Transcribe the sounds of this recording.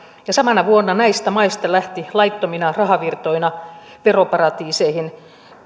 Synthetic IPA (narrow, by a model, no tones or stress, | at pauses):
jɑsɑmɑnɑʋuonːɑnæist̪æmɑist̪ɑlæht̪ilɑjt̪ːominɑrɑɦɑʋirt̪o̞inɑ | ʋe̞ro̞pɑrɑt̪iːseihin